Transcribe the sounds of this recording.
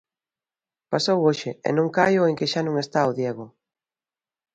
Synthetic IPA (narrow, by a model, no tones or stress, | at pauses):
pasowoʃɪḛnõŋkajʊeŋkɪʃanõŋest̪aoðjɛɣʊ